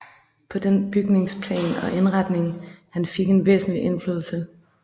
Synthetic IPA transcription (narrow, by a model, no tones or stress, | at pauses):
pʰɒ̽d̥enb̥yɡ̥ne̝ŋspʰlɛ̰ːnɒ̽ʔe̝nʁɑd̥ne̝ŋhænfe̝ɡ̥e̝nʋe̝̰ːsn̩liʔe̝nflyðˠl̩sə